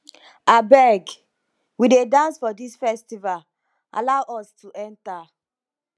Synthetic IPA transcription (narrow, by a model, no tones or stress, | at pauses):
abɛɡ | widedãnsfɔdisfɛstival | a̰laʊʔɔstuʔɛ̃nta